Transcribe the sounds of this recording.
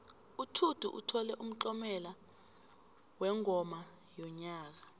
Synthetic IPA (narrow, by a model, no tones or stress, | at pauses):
utʰutʰṵʔṵtʰɔlɛʔum̩ǃɔmɛla | wɛŋʱɔma | jɔɲaːk̬a